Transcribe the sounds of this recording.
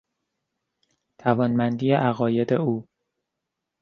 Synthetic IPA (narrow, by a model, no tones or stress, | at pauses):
t̪ʰævɒːnmænd̪iːjeʔæɣɒːje̞d̪euː